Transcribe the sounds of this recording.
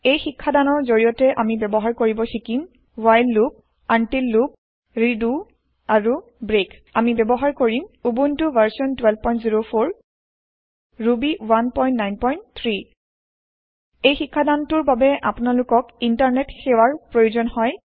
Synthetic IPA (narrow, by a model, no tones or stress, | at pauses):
ejxikʰːadanɔɹzoɹijɔtɛʔamibɛbɔɦaɹkoɹibɔxikim | wajlːup̚ | antilːup̚ | ɹidu | aɹu | bɹek | amibɛbɔɦaɹkoɹimubuntʊvʱaɹsiɔntwɛlb̚pɔj̃ntziɹopʰoɹ | ɹubiwanpɔjntnajnpɔjntt̪ʰɹi | ejxikʰːadantʊɹbabɛʔapʊnalʊkɔkintaɹnetxewaɹpɹojuzɔnhɔj